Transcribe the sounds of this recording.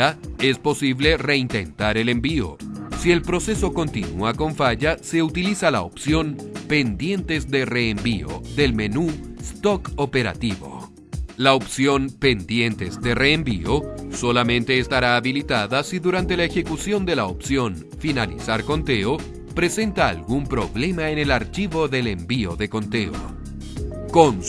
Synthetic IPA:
ae̞spo̞siβle̞re̞int̪e̞̰nt̪aɾe̞le̞mbio̞̰sie̞lpɾo̞se̞so̞ko̞nt̪inuako̞ɱfaʝase̞ut̪ilisala̰o̰psjo̞npe̞nd̪je̞nt̪e̞zd̪e̞re̞ːmbio̞̰ðe̞lme̞nust̪o̞ko̞pe̞ɾa̰t̪iβo̞̰ | laopsjo̞mpe̞nd̪je̞nt̪e̞zd̪e̞reːmbio̞so̞lamẽ̞nt̪e̞ːst̪aɾaːβilit̪aðasiðuɾant̪e̞laexe̞kusjo̞nd̪e̞laopsjo̞n | finalḭsaɾko̞nt̪e̞o̞ | pɾe̞se̞nt̪a̰ːlɣumpɾo̞̰βle̞maene̞laɾt͡ʃiβo̞ðe̞le̞mbio̞ðe̞ko̞nt̪e̞̰o̰ | kon

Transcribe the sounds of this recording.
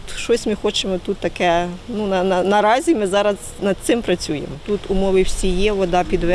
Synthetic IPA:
ʃt͡ʃɔsʲmɪxɔt͡ʃemɔt̪ut̪ːɐkɛnunɐnɐnɐɾɑzʲimɪzɑɾɐz | nɐd̪̚t̪sɪmpɾɐt͡sʲujḛmɔt̪ut̪ʊmɔʋɪwsʲijɛʋɔd̪ɑpʲid̪ʋɛ

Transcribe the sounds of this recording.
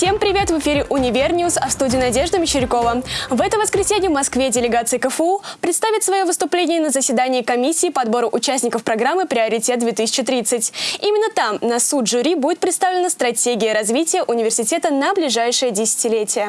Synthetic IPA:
fsʲempɾʲɪvʲe̞t̪vɨfʲiɾʲɪʔʊnʲɪvʲernʲɪʊsɐfst̪udʲiːnɐdʲe̞ʐd̪əmʲɪt͡ɕːɪɾʲɪko̞vəvɛt̪əvəskɾʲɪsʲenʲɪjvmɐskvʲedʲɪlʲɪɡat̪sɨɪkəfəupɾʲɪt̪st̪avʲɪt̪svɐjovɨst̪ʊplʲenʲɪjənəzəsʲvʲɪd̪anʲɪːkɐmʲisʲːiːpəɐd̪bo̞ɾʊʔʊt͡ɕæsʲnʲɪkəfpɾɐɡɾamːɨpɾʲɪɐɾʲɪtʲe̞t̪̚d̪vʲet̪ɨsʲɪ̥t͡ɕɪt̪ɾʲit̪sɨtʲimʲɪnːət̪amnɐsut̪ʐʊɾʲibudʲɪt̪̚pɾʲɪt̪st̪avlʲɪnəst̪ɾɐtʲeɡʲɪjəɾɐzvʲitʲɪjəʔʊnʲɪvʲɪrsʲɪtʲe̞t̪ənəblʲɪʐajʂɨjədʲɪsʲɪ̥tʲɪlʲetʲɪjə

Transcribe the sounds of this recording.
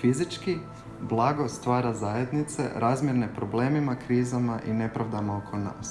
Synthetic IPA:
fizit͡ʃki | blˠaːɡo̞st̪ʋaːɾazaːje̞d̪nit̪se̞̰ɾaːzmjeɾnepɾoble̞ːmimakɾiːzamaʔine̞pɾaʋd̪amaokʰona̰ːs

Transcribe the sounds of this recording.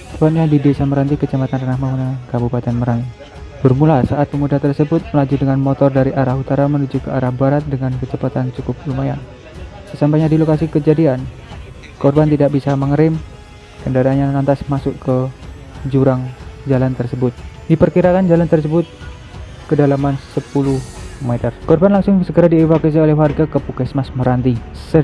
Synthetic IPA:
t̪əpat̪̚ɲadidesaməɾant̪ikət͡ʃamat̪ant̪anahmamunakabupat̪ɛnməɾaŋi | bərmulasaat̪̚pəmudaat̪ərsəbʊt̪̚məlad͡ʒudəŋanmot̪ɔrdaɾiʔaɾahut̪aɾamənud͡ʒukəaɾahbaɾat̪̚dəŋankət͡ʃəpat̪ant͡ʃukʊp̚lumaja̰n | səsampaɲadilokasikəd͡ʒadian | kɔrbant̪idaʔ̚bisaməŋəɾɪm | kəndaɾanɲalant̪asmasʊkə | d͡ʒuɾaŋd͡ʒalant̪ərsəbʊt̪̚dipərkiɾakand͡ʒalant̪ərs̬əbʊt̪̚ | kədalamansəpulʊhmɛt̪ərkɔrbanlaŋsʊŋsəɡəɾadiɛfakas̬iolɛhwarɡakəpukɛsmasməɾant̪isə

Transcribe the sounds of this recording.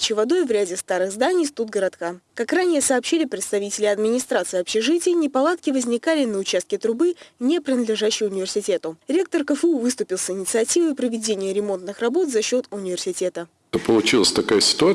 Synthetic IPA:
t͡ɕɪvɐd̪o̞jvɾʲædʲɪst̪aɾɨɣzd̪anʲɪjst̪ud̪̚ɡəɾɐt̪kakakranʲɪjəsɐːpɕilʲɪpɾʲɪt̪st̪ɐvʲitʲɪlʲɪɐd̪mʲɪnʲɪst̪ɾat̪sɨjɐpɕɪʐɨtʲɪjənʲɪpɐlˠat̪̚kʲɪvəzʲnʲɪkalʲɪnəʊt͡ɕast̪kʲɪt̪ɾʊbɨnʲepɾʲɪnəd̪lʲɪʐæɕːɪjʊnʲɪvʲɪrsʲɪtʲe̞t̪ʊɾʲe̞k̚t̪ərkəfəuvɨst̪ʊpʲɪlˠsɪnʲɪt̪sɨɐtʲivəjpɾəvʲɪdʲenʲɪjəɾʲɪmo̞nt̪nɨxrɐbo̞t̪zɐɕːo̞t̪ʊnʲɪvʲɪrsʲɪtʲe̞t̪ə | t̪opəlˠʊt͡ɕilˠəsʲt̪ɐkajəsʲɪ̥t̪ʊa

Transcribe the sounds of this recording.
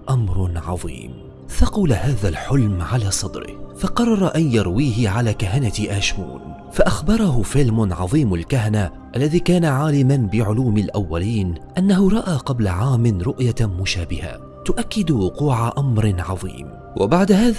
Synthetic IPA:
ʔamɾnʕɑ̰ðˤḭːm | θɑqʊlahaːðalħʊlmʕalaːsˤɑd̪ɾɪ̰hfɑqɑrˤːɑɾˤɑʔanjɑɾˤwiːhɪʕalaːkaɦanat̪ʔaːʃmṵːn | faʔaxbɑɾˤɑɦʊfɪlmʊnʕɑ̰ðˤiːmalkaɦana | ʔalːaðiːkaːnaʕaːlɪmanbɪʕʊluːmalʔawːaliːnʔanːaɦʊɾˤɑʔaːqɑblaʕaːmɪnɾʊʔjamʊʃaːbɪha̰ | t̪ʊʔakːɪd̪wʊquːʕaʔamɾʕɑðˤḭːm | wʔa̰baʕd̪ahaːð

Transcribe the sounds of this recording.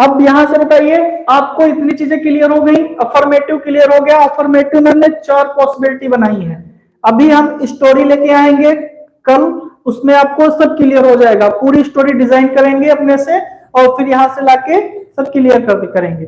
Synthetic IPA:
ɐbjɐɦãsebɐt̪aːieaːp̚koɪt̪nit͡ʃiːzẽkɪlijəɾɦoɡɐĩɐfɔːɾmeːʈɪʋkɪlijəɾɦoɡɐjaɐfʰɔːɾmeːʈɪʋnõnet͡ʃaːɾpɔːsɪbɪlɪʈibɐnaːiɦɛ̃ː | ɐbʱiɦɐmɪsʈoːɾileːkeaːẽːŋɡekɐmʊsmẽaːp̚kosɐb̚kɪlijəɾɦod͡ʒaːeːɡapuːɾiɪsʈoːɾiɖɪzaːɪnkɐɾẽːŋɡeɐpnese | ɔːɾfɪɾjɐɦãselaːkesɐb̚kɪlijəɾkɐɾt̪ekɐɾẽːŋɡeː

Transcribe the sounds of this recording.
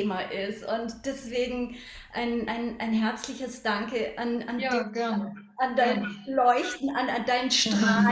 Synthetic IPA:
maʔɪstʊntd̥ɛsv̥eːɡŋ̩ | ʔaɪnʔaɪnʔaɪnɦɛɐt͡slɪçəsd̥aŋkəʔananj | andaɪnlɔʏçtn̩anandaɪnənʃtʁ̥aː

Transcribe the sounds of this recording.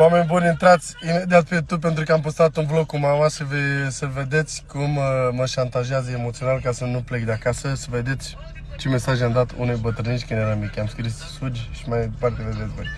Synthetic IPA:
oame̞nʲbunʲɨnt̪ɾat̪sʲime̞d̪iat̪̚pe̞t̪up̬ent̪ɾukəampost̪ɾat̪unvlo̞kumamasəvesəve̞d̪e̞t̪sʲkumːəʃant̪aʒeazəemot̪sio̞nalkasənuplek̚d̪eakasəsəve̞d̪et̪sʲ | t͡ʃe̞me̞saʒamd̪at̪ṵnejbət̪ɾɨniʃt̪ʲkɨnjeɾamikʲamskɾisːud͡ʒʲʃi̥majpart̪eeved̪ezboj

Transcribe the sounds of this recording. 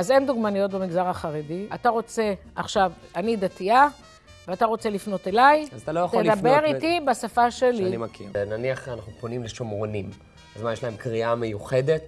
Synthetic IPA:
aze̞nd̪uɡmanijo̞t̚bemiɡzaʁaχaʁediat̪aʁo̞t͡se̞aχʃav | anid̪atia | veataʁo̞t͡se̞lifno̞te̞lajzat̪alojat̪oeld̪abe̞ʁit̪ibasafaʃelinimkiʁnaniaχanaχnuponimleʃomʁonim | azmanjeʃlae̞mkʁiamejuχe̞det̚

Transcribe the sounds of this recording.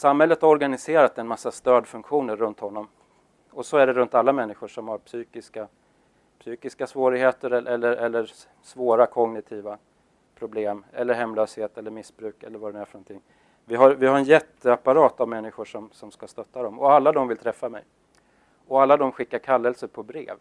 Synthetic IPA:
samhɛlːət̪haɾɔɾɡanɪseːɾat̪ɛnmasːast̪øːd̪fɵŋkɧuːnəɾːɵnt̪hɔnːɔm | ɔsɔæɖɛɾɵnt̪alːamɛnːɪɧʊʂɔmhaɾpsyːkɪska | psyːkɪskasvoːɾɪɡheːt̪əɾɛʔɛlːəɾʔɛlːəɾ | svoːɾakʰɔŋnɪt̪ʰiːva | pʰɾʊbleːmɛlːəɾhɦɛmːløːsheːt̪ɛlːəɾmɪsbɾʉ̟ːkɛ̰lːəɾvad̪ɛmæɾfœɾɳɔnt̪ʰɪŋː | vɪɦaɾvɪhaɾɛnjɛt̪ːəapːaɾɑːt̪avmɛnːɪɧʊʂɔmsɔmskast̪œt̪ːad̪ɔmɔalːad̪ɔmvɪlt̪ʰɾɛfːamɛ̰j | ɔalːad̪ɔmɧɪkːaɾkʰalːɛlsəpʰɔbɾḛːv

